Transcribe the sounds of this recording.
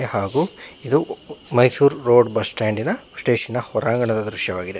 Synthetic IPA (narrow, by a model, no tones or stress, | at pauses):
haːɡuid̪umɐjsuːɾːoːɖbɐsʈaːɳɖinɐsʈeːʃinːɐhɔɾaːŋɡɐɳɐd̪ɐd̪ɾuʃjɐʋaːɡid̪e̞